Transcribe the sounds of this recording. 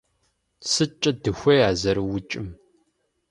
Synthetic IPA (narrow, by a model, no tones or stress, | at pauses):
sɨt͡ʃʼɐdɨxʷɐjaːzɐɾɨwʊt͡ʃʼɪm